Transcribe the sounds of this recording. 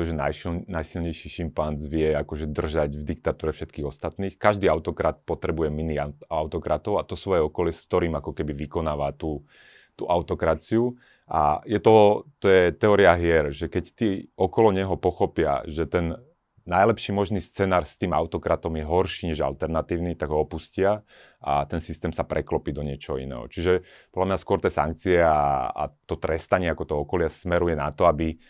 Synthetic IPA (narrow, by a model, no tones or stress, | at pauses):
ɛt̪ɔʒɛna̰jnajsilɲɛjʃiʃimpand͡zʋɪɛakɔʒɛd̪r̩ʒaɟvd̪ik̚t̪at̪uːɾɛfʃɛt̪kiːɣɔst̪at̪niːxkaʒd̪iːaʊt̪ɔkɾat̪̚pɔt̪ɾɛbujɛminiaʊt̪ɔkɾat̪ɔʊat̪ɔsʋɔjɛɔkɔlɪɛskt̪ɔɾiːmakɔkɛbiʋikɔnaːʋat̪uː | t̪ṵʔaʊt̪ɔkɾat͡siu | ʔa̰jɛt̪ɔt̪ɔjɛt̪ɛɔːɾiaɦɪɛɾʒɛkɛct̪iɔkɔlɔɲɛɦɔpɔxɔpɪa̰ʒɛt̪ɛnː | ajlɛpʃiːmɔʒniːst͡sɛnaːɾst̪iːma̰ʊt̪ɔkɾat̪ɔmjɛɦɔɾʃiːɲɛʒa̰lt̪ɛɾnat̪iːʊnit̪aɡɦɔɔpuscɪa | ʔa̰t̪ɛnsist̪ɛːmsapɾɛklɔpiːd̪ɔɲɪɛt͡ʃɔɦɔḭnɛ̰ːɦɔ̰t͡ʃiʒɛ | pɔdlamɲaskʊɔɾt̪ɛːsa̰ŋk̚t͡siɛaa̰t̪ɔt̪ɾɛst̪aɲɪɛakɔt̪ɔɦɔɔkɔlɪasmɛɾujɛnat̪ɔabi